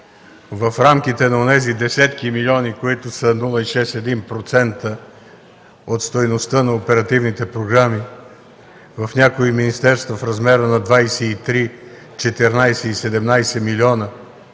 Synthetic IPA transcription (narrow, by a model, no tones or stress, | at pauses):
vɐfɾamkit̪ɛnɐonɛzid̪ɛsɛt̪kimilʲiɔnikoit̪ʊsənulˠəiʃɛst̪ɛd̪inpɾot̪sɛnt̪ə | ot̪st̪ojnost̪ənɐopɛɾɐt̪ivnit̪ɛpɾoɡɾami | vɐfnʲakoiminist̪ɛɾst̪vɐfɾɐzmɛɾənɐd̪vajsɛit̪ɾi | t͡ʃɛt̪ɛɾnajsɛisɛd̪ɛmnajsɛmilʲiɔnə